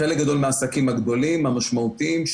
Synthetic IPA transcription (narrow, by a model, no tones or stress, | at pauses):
elek̚ɡad̪o̞lmeaːsakimaɡd̪o̞limamaʃmaut̪iimʃ